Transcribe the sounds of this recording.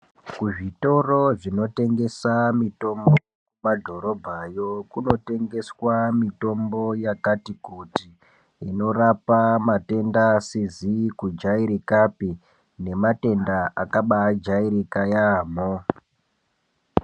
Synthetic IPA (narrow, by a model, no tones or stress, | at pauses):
kuʐito̞ro̞ʐino̞te̞ŋɡe̞samito̞mbo | kumadʱo̞ɾo̞bʱajo̞kuno̞te̞ŋɡe̞swamito̞mbo̞jakatikuti | ino̞rapamate̞ndasizikud͡ʒaiɾikapi | ne̞mate̞ndaʔakaɓad͡ʒaiɾikajaːmo